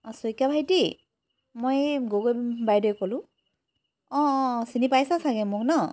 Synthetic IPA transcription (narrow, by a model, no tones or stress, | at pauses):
ɔsojkabʱajti | mojɡoɡobajdɔjkolʊ̃ | ɔ̃sinipajsasaɡɛmʊknɔ